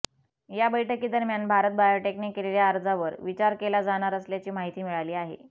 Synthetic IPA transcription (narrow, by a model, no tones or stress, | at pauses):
jabəjʈʰəkiːd̪əɾmjanbʱaɾət̪̚bajoʈeknikːeleljaːɾd͡zʱaʋəɾʋit͡ɕaɾkelad͡zaɽ̃aɾəsljat͡ɕiːmaɦit̪iːmiɭaliːaɦḛ